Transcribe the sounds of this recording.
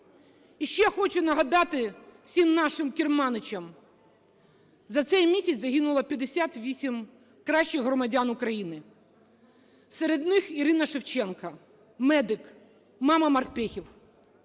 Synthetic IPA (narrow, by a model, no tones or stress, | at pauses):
iʃt͡ʃɛxɔt͡ʃʊnɐɦɐd̪ɑt̪ɪw̥sʲimnɑʃɪmkʲirmɑnɪt͡ʃɐm | zɐt̪sɛjmʲisʲɐt͡sʲzɐɦinʊlˠɐpʲjɐd̪esʲat̪ʋʲisʲim | kɾɑʃʲt͡ʃɪɦɾɔmɐdʲanʊkɾɐjinɪ | seɾed̪nɪxiɾɪnɐʃɪwt͡ʃɛnkɐ | mɛd̪ɪk | mɑmɐmɐrpɛxʲiw